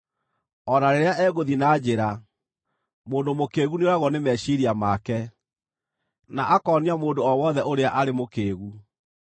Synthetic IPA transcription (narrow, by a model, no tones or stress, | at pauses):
ɔnaɾeɾeaʔɛːɣoðinaːd͡ʑeɾa | moːndomokeːɣuneoɾaɣwɔnemɛʃiɾiamakɛ | naʔakɔːniamoːndoɔwɔðɛʔoɾeaʔaɾemokeːɣu